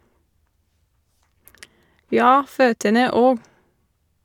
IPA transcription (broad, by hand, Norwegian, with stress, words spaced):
ˈjɑː ˈføːtənə ˈoːɡ